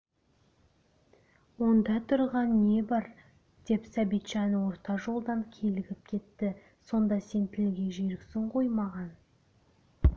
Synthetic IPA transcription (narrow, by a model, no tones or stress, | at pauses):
wo̞nd̪ɑt̪ʰʊɾʁɑnːe̞bɑɾ | d̪̥e̞psæbijt̪ʒɑnəwo̞ɾt̪ɑʒo̞lˠd̪ɑŋkʲʰe̞lɪɡʲɪp̚kʲʰe̞t̪ːɪ | so̞nd̪ɑse̞nt̪ʰɪlɡʲe̞ʒeɾɪkʲsɪɴqʰo̞jmɑʁɑn